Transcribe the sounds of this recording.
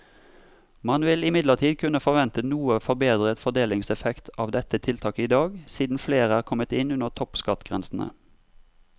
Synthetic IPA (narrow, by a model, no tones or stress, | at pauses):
mɑnʋɪlɪmɪd̪ləʁt̪ʰiːd̪kʰʉnəfɔʁʋɛnt̪ənuːəfɔbeːd̪ʁət̪fɔd̪eːlɪŋsɛfɛkt̪ʰɑːʋd̪ɛt̪ət̪ʰɪlt̪ʰɑːkəiːd̪ɑːɡsiːd̪n̩fleːʁəæːʁkʰɔmət̪ɪnʉnəʁt̪ʰɔpskɑt̪ɡ̥ʁɛnsn̩ə̰